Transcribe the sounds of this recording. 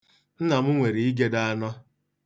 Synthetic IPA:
n̩˦na˨mʊ˦ŋʷe˨ɾi˨i˦ɡe˦da˦a˦nɔ˦

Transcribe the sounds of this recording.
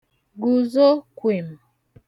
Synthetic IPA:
ɡu˨zo˦kwe˨m

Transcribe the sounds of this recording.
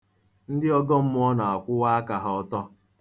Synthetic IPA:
n̩˦dɪ˦ɔ˦ɡɔ˦m̩˦mʊ˦ɔ˦na˨a˨kʷʊ˦wa˦a˦ka˨ɦa˨ɔ˦tɔ˦

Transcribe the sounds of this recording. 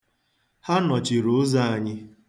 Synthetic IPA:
ha˦nɔ˨t͡ʃi˨ɾʊ˨˦za˦a˨ɲɪ˦

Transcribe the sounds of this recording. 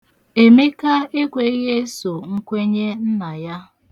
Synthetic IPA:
e˨me˦ka˦e˦kʷe˨˦ɣe˦so˨ŋ̩˦kʷe˦ɲe˦n̩˦na˨ja˦

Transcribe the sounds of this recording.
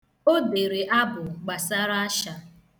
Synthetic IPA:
o˦de˨ɾe˨ʔa˦bʊ˨ɡ͡ba˨sa˦ɾa˦a˦ʃa˨

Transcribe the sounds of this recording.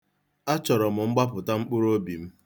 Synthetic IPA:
a˦t͡ʃɔ˨ɾɔ˨mʊ˨ŋ͡m̩˦ɡ͡ba˦pʊ˨ta˦ŋ͡m̩˦k͡pʊ˦ɾo˦bi˨m̩˦

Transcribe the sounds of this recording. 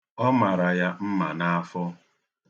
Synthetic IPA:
ɔ˦ma˨ɾa˨ja˦m̩˦ma˨na˦a˦fɔ˦

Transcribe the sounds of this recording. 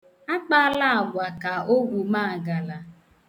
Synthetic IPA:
a˦k͡pa˦la˦a˨ɡʷa˨ka˨o˦ɡʷu˨ma˦˨ɡa˨la˨

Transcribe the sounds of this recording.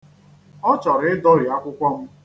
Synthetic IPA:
ɔ˦t͡ʃɔ˨ɾɪ˨ɪ˦dɔ˦ɾi˨a˦kʷʊ˦kʷɔ˦m̩˦

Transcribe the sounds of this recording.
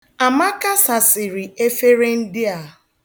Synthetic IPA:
a˨ma˦ka˦sa˨sɪ˨ɾɪ˨e˦fe˦ɾe˦n̩˦dɪ˦a˨

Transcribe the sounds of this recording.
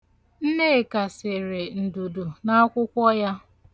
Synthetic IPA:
n̩˦ne˦˨ka˨sɪ˨ɾɪ˨n̩˨du˨du˨na˦kʷʊ˦kʷɔ˦ja˦

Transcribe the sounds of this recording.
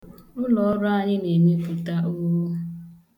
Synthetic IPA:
ʊ˦lɔ˨˦ɾʊ˦a˦˨ɲɪ˦ne˨mi˦pu˨ta˦ʔo˦wo˦

